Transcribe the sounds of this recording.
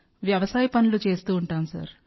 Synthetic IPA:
ʋjɐʋɐsaːjɐpɐnulut͡ʃe̞ːst̪uːɳʈaːmsɐ̰ɾ

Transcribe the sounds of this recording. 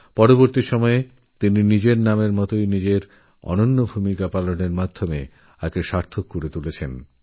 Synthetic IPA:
pɔɾoboɾt̪iʃɔmɔe | t̪ininid͡ʑeɾnameɾmɔt̪ojnid͡ʑeɾ | ɔ̰nonːobʱumikapaloneɾmad̪ʱːome | akeʃaɾt̪ʰokːoɾet̪ulet͡ɕʰen

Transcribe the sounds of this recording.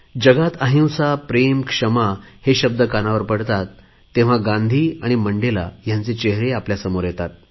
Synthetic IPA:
d͡ʑəɡat̪əɦĩwsapɾemkʂəmaheɕəb̚d̪əkanaʋəɾpəɽt̪at̪ː | ẽʋ̤aɡãnd̪ʱiːaɽ̃iməɳɖela̰jant͡set͡ɕeɦɾeapljasəmoɾjet̪at̪̚

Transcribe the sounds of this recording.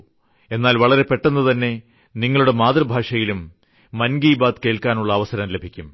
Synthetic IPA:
e̞nːaːlʋɐɭɐɾe̞pe̞ʈːenːut̪ɐnːe̞ | niŋːɐɭuɽe̞maːd̪rɐbʱaːʂɐjilumː | ɐnɡiːbaːd̪ke̞ːɭkaːnuɭːɐːʋɐsɐɾɐmlebʱikʲːum

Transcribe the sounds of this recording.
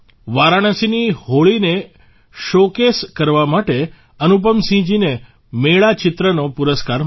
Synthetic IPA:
ʋaɾaɽ̃əsinihoɭine | ʃokeskəɾʋamaʈe | ənup̬əmsĩd͡ʒine | meɭat͡ʃɪt̪ɾənopuɾəskaɾ

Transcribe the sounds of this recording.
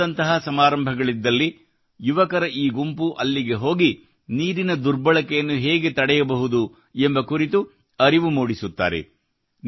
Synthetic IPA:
ɐnt̪ɐɦɐsɐmaːɾɐmbʱɐɡɐɭid̪ːɐlːi | juʋɐkɐɾɐʔiːɡumpuʔɐlːiɡe̞ɦo̞ːɡi | niːɾinɐd̪uɾbɐɭɐkɛjɐnːuɦɛːɡe̞t̪ɐɽɛjɐbɐɦud̪u | embɐkuɾit̪u | ɐɾiʋumuːɽisut̪ːa̰ːɾḛ

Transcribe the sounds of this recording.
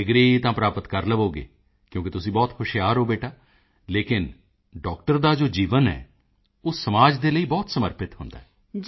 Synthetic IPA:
ɪɡɾiːt̪ãːpɾaːpət̪kəɾləʋoːɡḛː | kjõːkɪt̪ʊsĩːbɔːt̪xʰʊʃɪjaːɾoːbeːʈaː | leːkɪn | ɖɔːk̚ʈəɾd̪aːd͡ʒoːd͡ʒiːʋənɦɛ̰ː | ʊssəmaːd͡ʒd̪eːləiːbɔːt̪səməɾpɪt̪ɦʊnd̪a̰ːɛː

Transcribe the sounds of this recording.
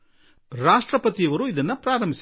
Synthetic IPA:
ɾaːʂʈɾɐpːɐt̪ːijɐʋɐɾuɪðɐnːɐpɾaːɾɐmbɪs

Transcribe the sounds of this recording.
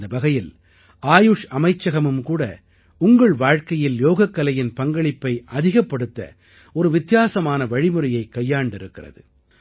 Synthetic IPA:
d̪ɐbɐɣɐjɪl | ʔaːjʊʂɐmɐɪt͡ʃːɐɣɐmɯmkuːɽɐ̰ | ʊŋɡɐɭʋaːɻkɐjɪljoːɣɐkːɐlɐjɪnpɐŋɡɐɭɪpːɐɪʔɐðɪɣɐpːɐɽɯt̪ːɐ̰ | ɔɾɯʋɪt̪jaːsɐmaːnɐʋɐɻɪmɯɾɐjɐɪkːɐjːaːɳɖɪɾɯkːɪrɐ̰ðɯ̰

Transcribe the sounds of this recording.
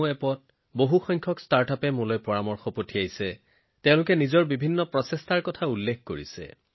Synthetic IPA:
ɛpɔt̚ | boɦuxɔjŋkʰɔkstaɹtapɛmulɔjpɔɹamɔɹxɔpotʰiajsɛ | tɛ̃ʊ̃lʊkɛnizɔɹbibʱinːɔpɹɔsɛstaɹkɔtʰaulːekʰkoɹḭsɛ̰

